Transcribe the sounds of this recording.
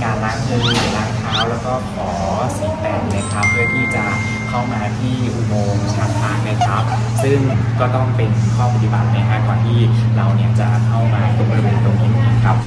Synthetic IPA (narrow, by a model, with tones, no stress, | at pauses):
kaː˧nla˦˥k̚mɯː˧˨˩laː˧˥˩ŋt̪ʰaː˦˥wlɛː˦˥wkɔː˥˩kʰɔː˩˦ | siː˩˦p̪ɛː˨˧˩nna˦˥kʰa˦˥pʰːɯ˥˩ɐt̪ʰiː˥˩t͡ɕa˨˩ | kʰa˥˩wmaː˧t̪ʰiː˥˩ʔu˨˩moː˧mt̪ʰa˧mpʰaː˨˩k̚na˦˥˩kʰɾa˦˥p̚ | sɯ˥˩ŋkɔː˥˩t̪ɔ˥˩ŋpe˧nkʰɔː˥˩pa˨˩t̪i˨˩ba˨˩t̪̚na˦˥˩kʰa˦˥kɔː˧nt̪ʰiː˥˩ɾa˧wni˥˩ɐt͡ɕa˨˩kʰa˥˩wmaː˧ko˧bɔ˧ɾi˧weː˧nt̪o˧ŋʔiː˧˥nʔiː˧˥kʰɾa˦˥p̚